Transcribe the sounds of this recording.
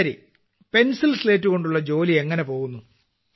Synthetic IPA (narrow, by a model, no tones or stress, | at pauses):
ɾḭ | pe̞nsilsle̞ːtːuɣo̞ɳɖuɭːɐd͡ʑo̞ːlie̞ŋːɐne̞po̞ːɣunːu